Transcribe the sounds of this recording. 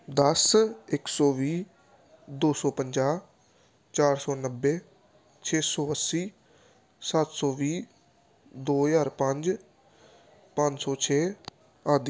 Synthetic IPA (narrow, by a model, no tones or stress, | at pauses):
d̪əsɪksɔːʋiː | d̪oːsɔːpəɲd͡ʒaː | t͡ʃaːɾsɔːnəbːeː | t͡ʃʰeːsɔːəsːiː | sat̪sɔːʋiː | d̪oːjaːɾpə̃ɲd͡ʒ | pə̃ɲd͡ʒsɔːt͡ʃʰeː | aːd̪i